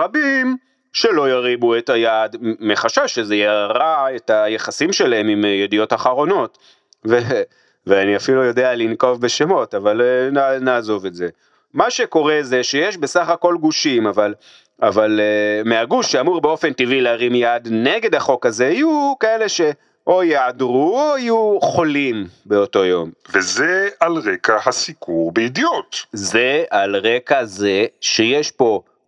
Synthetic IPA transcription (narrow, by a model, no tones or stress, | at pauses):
abim | ʃe̞lo̞jaʁibue̞tajadmeχaʃaʃezejaʁae̞tajeχasimʃe̞lae̞mimjedijo̞taχaʁo̞no̞t | ve | veaniafilujo̞dealinko̞vbe̞ʃemo̞tavalnanaːzo̞ve̞tze̞ | maʃe̞ko̞ʁe̞ze̞ʃe̞jeʃbe̞saχako̞lɡuʃimaval | ʔavalemeaɡuʃːeamuʁbeo̞fe̞ntivileaʁimijad̪ne̞ɡe̞d̪aχo̞kaze̞ajukae̞le̞ʃe̞ | ʔo̞jeʕadʁuoajuχo̞limbe̞o̞to̞jo̞mvezealʁekahasikuʁbeid̪ijotzealʁe̞kaze̞ʃejeʃpo̞